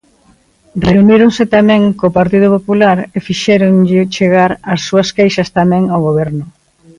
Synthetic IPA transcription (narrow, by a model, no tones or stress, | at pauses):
reuniɾoŋsɪt̪amɛ̃ŋkopaɾt̪ið̞ʊpopulaɾefiʃɛɾoŋʎɪt͡ʃeɣaɾasːuɐskejʃɐst̪amɛ̃ŋawɣoβɛɾnʊ